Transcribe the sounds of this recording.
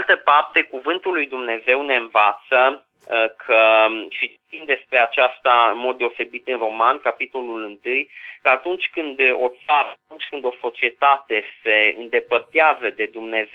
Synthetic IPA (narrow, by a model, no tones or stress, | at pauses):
lt̪əpart̪e̞kuvɨnt̪ulːujd̪umne̞ze̞wne̞ɨnvat̪sə | kʰəʃi | t̪imd̪e̞spɾe̞at͡ʃast̪aɨnmot̪̚d̪e̞o̞se̞bit̪ɨnro̞mankapit̪o̞lulɨnt̪ɨjkəat̪unt͡ʃʲkɨnd̪o̞̰t̪saɾət̪unt͡ʃʲkɨnd̪o̞so̞t͡ʃie̞t̪at̪e̞se̞ɨ̰nd̪e̞pərt̪eazəd̪e̞d̪umne̞ze